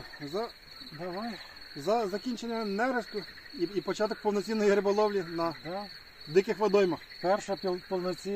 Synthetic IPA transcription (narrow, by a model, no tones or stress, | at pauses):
zɐ | d̪ɐʋajzɐzɐkʲinʲt͡ʃenʲːɐnɛɾesk̪ʊ | iipɔt͡ʃat̪ɔk̚pɔwnɔt͡sʲinːɔjiɾebɔlˠɔʋlʲinɐd̪a | d̪ɪkɪxʋɐd̪ɔjmɐxpɛrʃɐppɔlnɔt͡sʲi